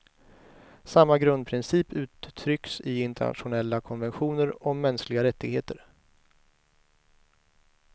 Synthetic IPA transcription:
samːaɡɾɵnd̪̚pʰɾɪnsiːpʰʉ̟ːt̪ʰːɾʏksɪɪnt̪ɛ̰ɳa̰t̪ɧʊnɛlːakʰɔnvɛnɧuːnəɾɔmɛnsklɪɡaɾɛt̪ːɪɡheːt̪əɾ

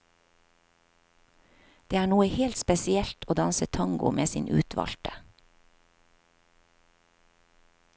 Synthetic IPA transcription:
d̪̥eːæːɳuːəheːlt̪spɛsɪɛlt̪ʰoːd̪ɑnsət̪ʰɑŋɡʊ̰mʔeːsiːnʔʉ̰ːt̪ʰʋɑ̰lt̪ə̥

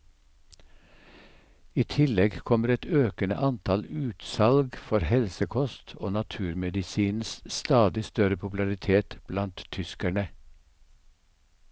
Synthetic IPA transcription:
iːt̪ʰɪlɛɡkʰɔməɾɛt̪øːkənə̰ʔɑnt̪ʰɑlʉːt̪sɑlɡfɔɾhɛlsəkʰɔst̪ʰoːnɑt̪ʰʉːɾmɛd̪ɪsiːnsst̪ɑːd̪ɪst̪œɾəpʰʊpl̩ɑɾɪt̪ʰeːt̪b̥lɑnt̪ʰʏskæɳə

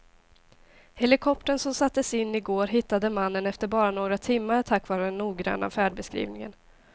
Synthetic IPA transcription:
hɛlɪkʰɔp̚t̪əɳsɔmsat̪ːəsɪnːɪɡoːɾɦɪt̪ːad̪əmanːənɛft̪əɾbɑːɾanoːɡɾat̪ʰɪmːaɾt̪ʰakːvɑːɾəd̪ɛnːuːɡɾa̰nːa̰fæːɖbɛskɾḭːvnɪŋə̰n

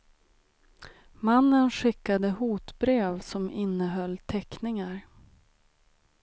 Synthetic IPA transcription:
manːənɧɪkːad̪əhuːt̪bɾeːvsɔmɪnːəɦœlːt̪ʰɛknɪŋaɾ

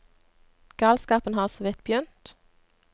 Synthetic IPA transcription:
ɡ̥ɑːlskɑːpən̩hɑːʁsɔʋɪt̪̚bjʏnt̪

